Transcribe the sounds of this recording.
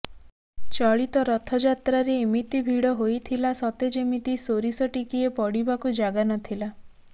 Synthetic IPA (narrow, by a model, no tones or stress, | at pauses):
t͡ʃɔɭit̪ɔɾɔt̪ʰɔd͡ʒat̪ɾaɾemit̪ibʱiɽɔɦojt̪ʰilasɔt̪ed͡ʒemit̪isoɾisɔʈikiepɔɽibakud͡ʒaɡanɔt̪ʰila